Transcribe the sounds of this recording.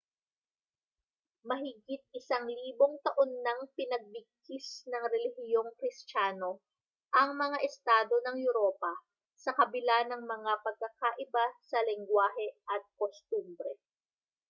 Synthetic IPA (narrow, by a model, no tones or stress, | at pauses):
mɐɦɪɡit̪̚ɪsaŋliːboŋt̪ɐʔonːɐŋpɪnɐɡ̚bɪɡ̚kisnɐŋɾɛlɪhɪjo̞ŋkɾɪst͡ʃaːno̞ | ʔɐŋmɐŋaʔɛst̪aːd̪o̞nɐŋjʊɾoːpɐ | sɐkɐbɪlanɐŋmɐŋapɐɡ̚kːakaʔɪbasɐlɪŋɡwaːɦɛʔɐt̪̚kost̪umbɾɛ